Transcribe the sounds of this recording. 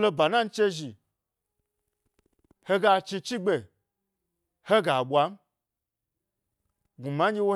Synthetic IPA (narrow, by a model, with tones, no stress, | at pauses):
lo˧ba˨na˦n̩˦t͡ʃe˦ʒi˨ | he˦ɡa˧t͡ʃi˧t͡ʃi˦ɡ͡be˨ | he˦ɡa˨ɓʷwa˨˦m̩˦ | ɡu˨ma˨˦d͡ʒʲe˦wo˦